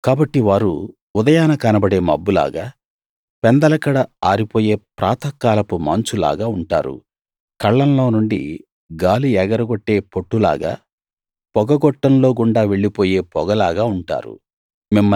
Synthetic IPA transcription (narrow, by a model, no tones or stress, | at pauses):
kaːbɐʈːiʋaːɾṵ | ud̪ɐjaːnɐkɐnɐbɐɽe̞ːmɐ̰bːula̰ːɡaː | pɛnd̪ɐlɐkɐɽɐaːɾipoːje̞ːpɾa̰ːt̪ʰɐkːaːlɐpuma̰ːɲt͡ʃula̰ːɡaːuɳʈa̰ːɾṵ | kɐɭːɐnlo̞ːnuɳɖḭ | ɡaːliɛɡɐɾɐɡoʈːe̞ːpoʈːula̰ːɡa̰ː | pɔɡɐɡɔʈːɐnlo̞ːɡuɳɖaːʋe̞ɭːipo̞ːje̞ːpɔɡɐlaːɡaːuɳʈa̰ːɾṵ | mimːɐ